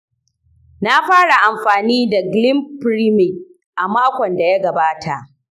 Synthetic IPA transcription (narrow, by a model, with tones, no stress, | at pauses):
na˦ɸaː˦ɽa˨ʔa˨mɸaː˨niː˦da˨ɡlɪ˦mpɾi˦mɪ˨k | ʔa˨maː˦kʷɔ˨nda˨ja˦ɡɐ˨baː˦tʰa˨ʔ